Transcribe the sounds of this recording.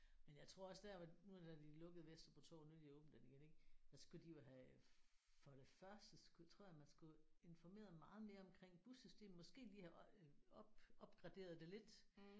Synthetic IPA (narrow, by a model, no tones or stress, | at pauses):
menjɑ̈ɪt͡sʰʁo̝ɐ̰ɒ̽sd̥æɐʋɑnud̥æd̥ilɔ̽ɡ̥əð̩ˠʋesd̥ʁɐpʰɒ̽t͡sʰɔ̰ːnueljɔ̽ːb̥̚n̩d̥eniɡene̝ɡ̥sæsɡ̥ud̥ijo̝ɦæ | fɒɾ̥e̝fɶɐsd̥əsɡ̥ut͡sʰʁo̝ɐ̰jæmænsɡ̥ue̝nfɒme̝̰ːɐðˠmɑ̈ːð̞̩ˠme̝ːɐɒ̽mkʰʁeŋ̰b̥usysd̥e̝̰ːmn̩mɒ̽sɡ̥e̝̰ːliːhæʔɒb̥ɒ̽b̥ɡ̥ʁɑ̈d̥e̝̰ːɐð̞̩ˠd̥e̝le̝d̥